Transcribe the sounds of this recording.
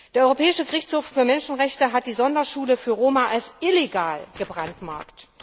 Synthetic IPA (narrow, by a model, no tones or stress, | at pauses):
eːɐʔɔʁopʰɛːɪʃəɡəʁɪçt͡shoːffyːɐmɛnʃn̩ʁɛçtəɦat̚d̥iːzɔndɐʃuːləfyːɐʁoːmaʔalsʔɪleɡaːlɡ̥əbʁantma̰ɐkt